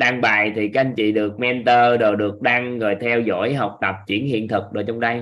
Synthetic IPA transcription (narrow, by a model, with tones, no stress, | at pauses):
ɗaː˧ŋɓa̰ː˧˨jt̪ʰi˨˩ka˨˦˥a˧ŋ̟t͡ɕḭ˧˨ɗɨ˨˩ək̚mɛ˧nt̪əː˧ɗo˨˩ɗɨ˨˩ək̚ɗaː˧ŋɣɔː˨˩jt̪ʰɛ˧wzo̰˧˥jɦa˨˩wk͡p̚t̪ə˨˩p̚t͡ɕwḭ˧˩ənhḭ˧˨ənt̪ʰɨ˨˩k̚ɗo˨˩t͡ɕa˧wŋ͡mɗə˧j